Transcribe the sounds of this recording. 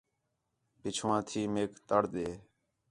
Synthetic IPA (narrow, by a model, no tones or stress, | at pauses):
pɪt͡ʃʰʋãːt̪ʰiːmeːkt̪əɽɗ̪eː